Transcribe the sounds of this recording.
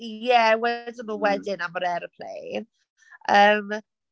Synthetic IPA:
jɛwɛdɪnuːwɛdɪnamɔɾɛɾəpʰl̥ḛjn | əːm

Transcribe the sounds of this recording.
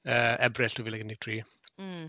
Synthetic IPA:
əːɛbrɪɬtʰoviːlˠɛɡəndɪɡ̚tʰriː

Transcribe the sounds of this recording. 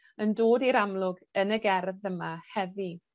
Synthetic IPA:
əndoːdiɾamlˠʊɡənəɡɛrðəmahɛvi

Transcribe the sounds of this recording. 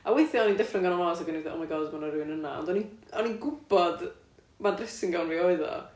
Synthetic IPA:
awejθjɔɔnindɛfrəŋɡanɔmalasaɡənθʔɔ̰miɡalˠzbɔnaɾuɨnəna̰ɔ̰ndɔniɔninɡʊbɔd | mandrɪsɪŋɡawnviːɔɨðɔ̰

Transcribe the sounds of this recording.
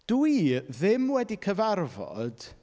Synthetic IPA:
d̥iðɪmwɛdikʰəvarvɔ̰d̥

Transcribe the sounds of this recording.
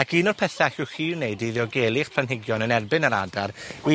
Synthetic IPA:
akʰiːnɔrpʰɛθaxɪwχiːwneɨdiðjɔɡeːlˠɪχpʰl̥anɦɪɡjɔnənɛrbɪnaɾa̰darwi

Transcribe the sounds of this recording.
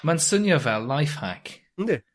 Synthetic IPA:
mansənjɔvɛlˠːajfha̰k | n̩d̪ɪ

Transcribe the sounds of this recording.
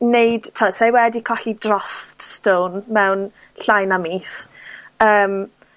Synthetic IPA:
nejd̥tʰɔsajwɛdikʰɔɬidrɔststownmɛwn | ɬajnamiːs | əːm

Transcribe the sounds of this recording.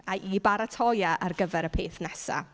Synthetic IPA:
aʔibaɾatʰɔjaʔarɡəvɛɾəpʰeːθnɛsa̰

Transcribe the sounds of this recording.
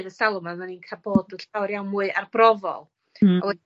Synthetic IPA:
ðəsalˠɔmamaninkʰaboːdəɬawɾjawnmuːɨʔarbrɔvɔ̰lˠ | ɔwɛ

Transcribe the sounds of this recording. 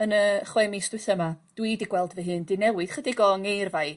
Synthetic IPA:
ənəχwɛmisd̥wɪθəmad̥widiɡwɛlˠdvɛɦɨndɪnɛwɨð̥χədiɡɔŋejrvaɨ

